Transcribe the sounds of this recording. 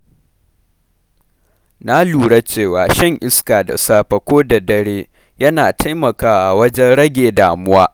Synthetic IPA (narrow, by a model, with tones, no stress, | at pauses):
na˦luː˨ɽa˦t͡ʃeː˦˨waː˨ʃɪ˦ŋʔɪ˦skaː˨da̰˨saː˦ɸɐ˨kʷoː˦da˨dɐ˦ɽeː˦ | jɐ˦naː˨tʰa˦jmɐ˨kaː˦ʔa˨wɐ˦d͡ʒɛ˦nɽɐ˦ɡʲeː˨daː˨mʊ˦waː˦